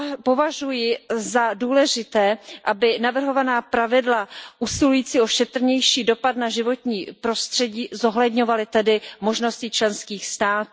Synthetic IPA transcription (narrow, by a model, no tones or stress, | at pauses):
po̞vaʒujɪzaduːlɛʒɪt̪ɛːʔabɪnavr̩ɦo̞vanaːpɾavɪdlaʔusɪlujiːt͡siʔo̞ʃɛt̪r̩ɲɛjʃiːdo̞pat̪naʒɪvo̞t̪ɲiːpɾo̞st̪r̝̥ɛɟiːzo̞ɦlɛdɲo̞valɪt̪ɛdɪmo̞ʒno̞scɪt͡ʃlɛnskiːxst̪aːt̪u